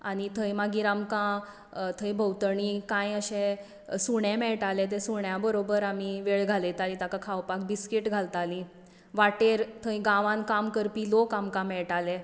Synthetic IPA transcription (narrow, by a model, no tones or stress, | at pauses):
aɽ̃it̪ʰəjmaɡiɾamkã | t̪ʰəjbʱəwt̪əɳĩkãjəɕẽ | suɳɛ̃mɛɭʈalɛt̪̬ẽsuɳjabəɾobəɾamiʋeɭɡʱalet̪aɾĩt̪akakʰawpak̚biskiʈɡʱalt̪alĩ | ʋaʈeɾt̪ʰə̃j̃ɡãʋãnkamkəɾpilokamkãmɛɭʈalɛ